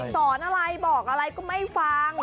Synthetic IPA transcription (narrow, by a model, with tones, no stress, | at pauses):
sɔː˩˦nʔa˧ɾa˧jbɔː˨˩k̚ʔa˧ɾa˧jkɔː˥˩ma˥˩jfaː˧ŋ